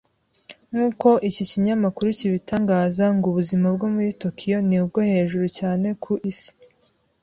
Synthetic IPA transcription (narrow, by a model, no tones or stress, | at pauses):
nuːko̞ʔiciciɲamakuɾuciβitaːŋɡaːzaŋɡuβuzimabɡo̞muɾito̞kʰijo̞niubɡo̞he̞ːʒuɾucaːne̞kʰuʔisi̥